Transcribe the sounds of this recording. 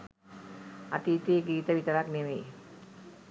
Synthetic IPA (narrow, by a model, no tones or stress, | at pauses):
at̪iːt̪eːɡiːt̪əʋit̪əɾakneʋej